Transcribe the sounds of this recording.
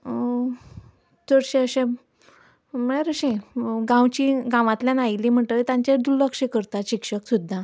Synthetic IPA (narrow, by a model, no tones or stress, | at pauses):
d͡zəɽɕẽəɕẽ | məɭ̃eɾəɕẽɡãwt͡ɕiɡãʋãt̪ljanajliːm̤əɳʈ̪ət̪ãɲt͡ɕed̪uɾləkʂekəɾt̪aɕikʂəksud̪ʱːa